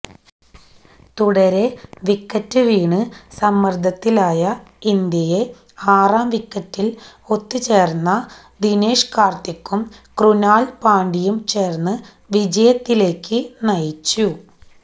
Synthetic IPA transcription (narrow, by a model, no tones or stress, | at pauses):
t̪uɽɐɾe̞ʋikːɐtːɨʋiːɳɨsɐmːɐrd̪ʱɐt̪ːilaːjɐind̪jɐje̞ | aːraːmʋikːɐtːilo̞t̪ːɨt͡ɕe̞ːrnːɐ | d̪ineːʂkaːrt̪ikːumkrunaːlpaːɳɖijumt͡ɕe̞ːrnːɨ | ʋid͡ʑɐjɐt̪ːile̞ːkːɨnɐjit͡ɕːu